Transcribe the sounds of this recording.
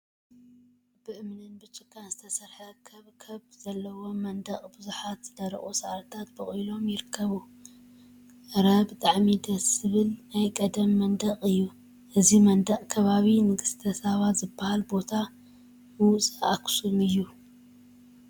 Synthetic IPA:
b̥ɨʔɨmnɨnbɨt͡ʃʼɨkʼːanzɨt̪ʰɐsɐɾħɐkʰɐβkʰɐβz̥ɐlːɐwo̞mɐnd̪ɐχʼbɨzuħat̪zɨd̪ɐɾ̰ʔʼusɐʔɾt̪ʰat̪̚bɨχʼujlo̞mjɪɾɨkʰːɐβu | ɾɐβt̪ʼaʕmid̪ɐsɨβɨlnajkʼɐd̪ɐmːɐnd̪ɐqʼɨjːu | ʔɨzimɐnd̪ɐʔʼkʰɐβaβinɨɡɨst̪ʰɐsɐβat̪zɨbahalbo̞t̪ʰa | bwʊt͡sʼaʔːksumɨjːu

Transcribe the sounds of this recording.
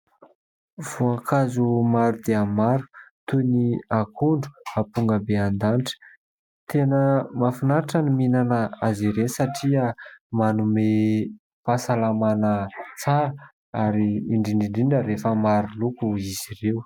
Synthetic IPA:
v̥uakʰazumaɾud̪eamaɾu̥t̪uniakʰuɳɖ͡ʐu̥apuŋɡəbeand̪anʈ͡ʂə̥ | t̪ʰenəmafinaɾaʈ͡ʂaniminanəaziɾenisaʈ͡ʂiamanume | pasalamanət͡saɾə | aɾiːɳɖ͡ʐiɳɖ͡ʐiɳɖ͡ʐiɳəɾefəmaɾulukuiziɾew

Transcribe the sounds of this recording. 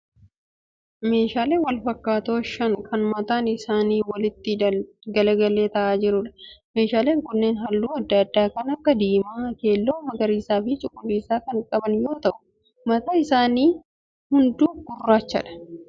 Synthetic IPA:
me̞ːʃaːle̞ːwɐlfɐkːaːt̪oːʃɐŋkʰɐnmɐt̪aːnɪsaːniːwɐlɪt̪ːɪ | ɡɐlɐɡɐlːe̞ːt̪ɐʔaːd͡ʒɪɾʊᶑɐ̥me̞ːʃaːle̞ːŋkʊnːeːnɦɐlːuːɐd̪ːɐɐd̪ːaːkɐnɐkːɐd̪iːmaːke̞ːlːo̞ːmɐɡɐɾiːsaːfɪt͡ʃʼʊkʼːʊlːiːsaːkɐŋkʼɐbɐnjo̞ːt̪ɐʔʊ | mɐt̪aɪsaːniː | hʊnd̪uːɡ̥ʊrːaːt͡ʃːɐ̰ᶑɐ̥

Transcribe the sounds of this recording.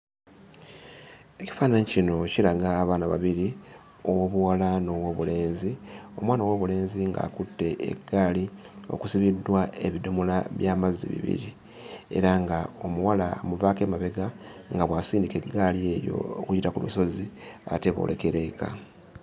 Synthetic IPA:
e̞ci̥faːnaɲicino̞ciɾaɡaːβaːnaβa̰βiɾi | owoβuwalano̞woβule̞ːnzio̞̰mwaːnowoβule̞ːnziŋɡa̰ːkutːe̞ʔːɡaːli | o̞̰kusiβidːwae̞βidumulaβjaːmazːḭβḭβḭɾi | e̞̰ɾaŋɡao̞muwalamuvaːke̞ːmaβe̞ɡaŋɡaβwasiːndike̞ɡːalie̞ɾjo̞̰okuɟitakulṵso̞ziate̞βo̰lʔeke̞ɾe̞ka̰

